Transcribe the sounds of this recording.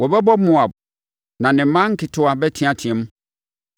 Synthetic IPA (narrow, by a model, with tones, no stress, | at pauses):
wɔ˨bɛ˦bɔ˦mʊ̃˨a˨b | nã˨nɪ̃˨m̩˦mːã˦ŋ̩˦kʰɪ˨tʰʊ˦a˨bɛ˦tʰi˦a˨tʰĩ˨ɛ̃˦m˦